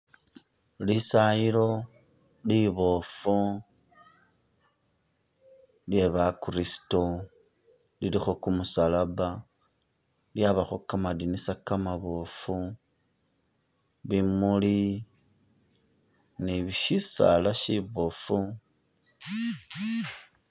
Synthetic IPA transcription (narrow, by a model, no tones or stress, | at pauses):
lisajiɾo̞ | liβo̞fu | lje̞βakuɾisi̥to | lilixo̞kumusalaβa | ljaβaxo̞kamadinisakamaβofu | βimuli | niβiʃisa̰laʃiβofu